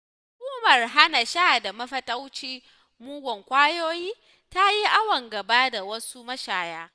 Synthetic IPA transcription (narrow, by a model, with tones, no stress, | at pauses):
hʊ˨kʷʼuː˦mɐ˨rɦa˦na˨ʃaː˦˨da˨mɐ˦ɸɐ˦tʼa˦wt͡ʃiː˦ | muː˦ɡʷɔ˨ŋkʷaː˦joː˦jiː˦ | ta˦ji˦ʔa˦wɐ˨ŋɡɐ˨baː˦da˨wɐ˦su˦mɐ˦ʃaː˨jaː˦